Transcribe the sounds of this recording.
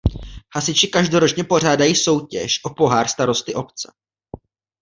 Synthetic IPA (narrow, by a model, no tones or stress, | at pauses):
hasɪt͡ʃɪkaʒdo̞ɾot͡ʃɲɛpo̞r̝aːdajiːso̞wcɛʃʔopo̞ɦaːrst̪aɾo̞st̪ɪʔo̞pt͡sɛ